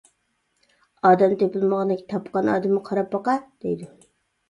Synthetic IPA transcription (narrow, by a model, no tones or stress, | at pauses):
ɑːd̪ɛmd̪epɨlˠməʁɑnɪkʲʰi̥t̪ʰɑpqɑnɑ̰ːd̪ɨmːɨqʰɑɾɑp̚bɑqɑd̪̥ejd̪ɪ